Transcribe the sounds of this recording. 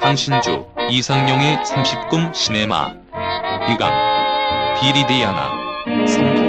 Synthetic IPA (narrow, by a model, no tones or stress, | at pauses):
kaŋɕʰind͡ʑṵisʰaŋɲʌŋesʰamɕʰip̚k͈ɯmɕʰinema̰ | piɡa̰ŋ | tiɾidejana̰sʰam